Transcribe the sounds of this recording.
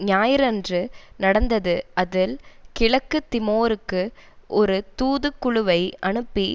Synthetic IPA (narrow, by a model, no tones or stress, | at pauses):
ɲaːjɪɾɛndrɯnɐɽɐnd̪ɐðɯʔɐðɪlkɪɭɐkːɯt̪ːɪmoːɾɯkːɯʔɔɾɯt̪uːðɯkːʊɻʊʋɐɪʔɐɳɯpːi